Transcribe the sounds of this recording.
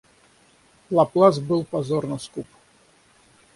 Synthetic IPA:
lˠaplˠazbɨlˠpazornɐskup

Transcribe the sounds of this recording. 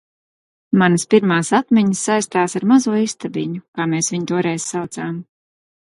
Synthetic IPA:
manəspʲiɾmaːsat̪mʲiɲsːajst̪aːsaɾmazuɔist̪abiɲukaːmeːsvʲiɲit̪uɔɾɛjz̥sawt̪saːm

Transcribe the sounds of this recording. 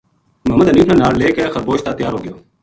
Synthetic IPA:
məɦməd̪ɦəniːʈʰãːnaːɽleːkeːxəɾboːʃt̪aːt̪jaːɾɦoːɡɪjoː

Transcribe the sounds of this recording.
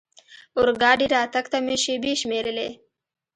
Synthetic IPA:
ʊɾɡɑːɖiɾaːt̪ɐkt̪ameʃebiʃmeːɾəle

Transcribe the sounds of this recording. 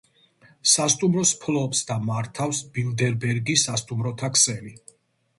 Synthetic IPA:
sast̪ʼumɾɔspʰlˠɔpsd̪amaɾt̪ʰafsb̥ild̪ɛɾbɛɾɡisast̪ʼumɾɔt̪ʰakʰsɛli

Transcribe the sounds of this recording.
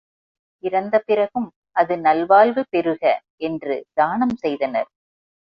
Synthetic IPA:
ɪɾɐnd̪ɐpɪɾɐɣɯm | ʔɐðɯnɐlʋaːlʋɯpɛɾɯɣɐ | ɛndrɯ̰d̪̥aːnɐmsɛjðɐnɐ̰ɾ

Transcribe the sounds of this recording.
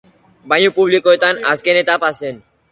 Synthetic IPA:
bajupublikoet̪ana̰skenet̪apasen

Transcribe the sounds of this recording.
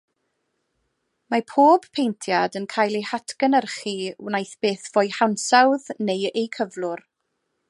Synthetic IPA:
mapʰoːb̥pʰejntʰjadənkʰaːjlˠehatʰɡ̥ənərχiwnajθb̥eːθv̥oːjhawnsawðnejejkʰəvlˠʊr

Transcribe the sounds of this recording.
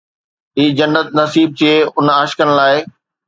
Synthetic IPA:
ɦiːd͡ʑɐnːət̪̚nɐsiːb̚t͡ɕeːʊnaːʃkəɽ̃laːɪ

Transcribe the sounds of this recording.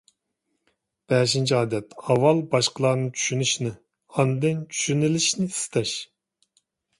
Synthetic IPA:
b̥ɛːʃint͡ʃʰiɑːd̪ɛt̪ɑwːɑlˠbɑʃqəlˠɑːnɨɴt͡ʃʰy̥ʃynyʃinɪ | ɑnɨd̪ɪnt͡ʃʰy̥ʃynɪlɪʃnɪi̥sɪ̥t̪ʰɑʃ

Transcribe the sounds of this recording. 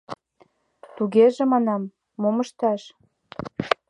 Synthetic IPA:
t̪uɣeʒĕmɑnɑmː | omə̆ʃt̪ɑʃ

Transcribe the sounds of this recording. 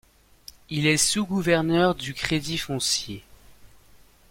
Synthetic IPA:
ilɛsuɡuvɛʁnœʁd̪ykχed̪ifɔ̃sje

